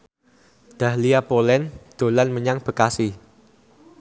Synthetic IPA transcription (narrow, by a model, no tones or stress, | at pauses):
d̪̥a̤hliapolɛnd̪̥o̤lanməɲaŋb̥ə̤kasi